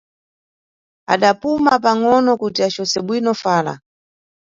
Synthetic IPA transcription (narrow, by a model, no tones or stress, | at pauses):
a̰ɗapumapaŋɔnɔkutiat͡ʃɔsɛɓwinɔfaːla̰